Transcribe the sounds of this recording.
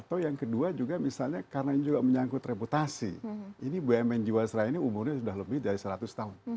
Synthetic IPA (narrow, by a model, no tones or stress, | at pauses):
at̪awjaŋkəduad͡ʒuɡamisalɲakarənainid͡ʒuɡaməɲaŋkʊt̪reput̪asḭinibɛmɛnd͡ʒiwasəɾainiumʊrɲasudahləbɪhdaɾisəɾat̪ʊst̪aʊn